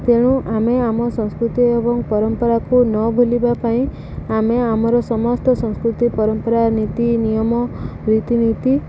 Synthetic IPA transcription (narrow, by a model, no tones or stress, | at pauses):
t̪eɽ̃ũʔameamɔsɔ̃ŋskɾut̪iebɔŋpɔɾɔmpɔɾakunɔbʱulibapaĩ | ameamɔɾɔsɔmɔst̪ɔsɔ̃ŋ̃skɾut̪ipɔɾɔmpɔɾanit̪inijɔmɔɾit̪init̪i